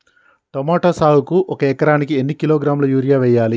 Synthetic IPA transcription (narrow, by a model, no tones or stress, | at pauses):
ʈomaːʈoːsaːwukuʔɔkɐɛkɐɾaːnikienːikiloːɡɾaːmlɐjuːɾijaːʋɛːjːaːli